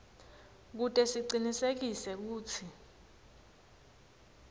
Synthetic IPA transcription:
k̬utʼɛsiǀinisek̬isɛk̬uːt͡sʰi

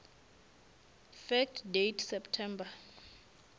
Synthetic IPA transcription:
fɛk̚tʰdejtʰsɛptʰɛmba

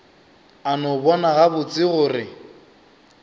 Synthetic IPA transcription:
anɔbɔnaɣabʊt͡sʼɪɣʊːrɪ

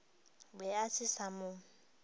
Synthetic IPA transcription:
bɛasʰɪsamʊ

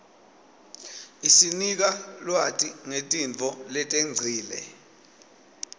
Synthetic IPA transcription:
isinik̬alwatʼiŋetʼiɱt͡fɔlɛtʼeŋ͡ǀʱiːlɛ̰

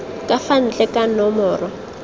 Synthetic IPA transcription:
kʼafan̩t͡ɬʼɛkʼanɔmɔːrɔ

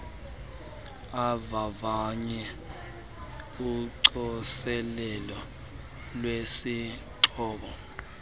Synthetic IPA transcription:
avavaɲɛ | uǀɔsɛlɛlɔ | lwesi | ǁɔːɓɔ

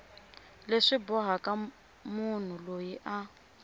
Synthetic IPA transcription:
leʂibɔɦakʼa | mun̤ulojiʔa

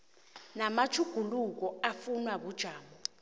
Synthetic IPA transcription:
namat͡ʃʰuɡ̥ʱuluk̬ɔafunwaɓud̥ʒ̥ʱaːmɔ

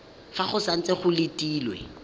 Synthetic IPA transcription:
faχʊsan̩t͡seχʊlɪtʼiːlwɛ̰

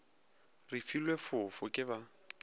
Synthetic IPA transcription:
rifilwefʊfʊkʼɪβa

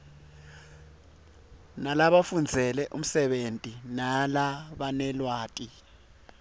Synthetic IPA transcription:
nalaɓafund͡zʱɛlɛʔum̩sɛɓentʼinalaɓanɛlwaːtʼi

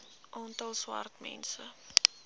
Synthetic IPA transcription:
ʔɔntəlˠswa̰rtmɛ̰nsə

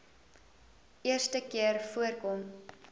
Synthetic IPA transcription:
iərstəkiərfuərkɔm

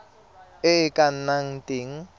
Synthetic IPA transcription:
ɪɪkʼan̩naŋ̩tʼeŋ̩

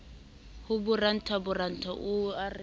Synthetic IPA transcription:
hʊbʊran̩tʰabʊran̩tʰaʔʊarɪ

